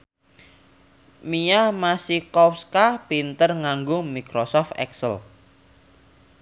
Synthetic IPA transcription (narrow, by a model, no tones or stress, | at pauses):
miamasikɔfskapint̪ərŋaŋɡʊmikɾɔsɔft̪ɛ̰ksə̰l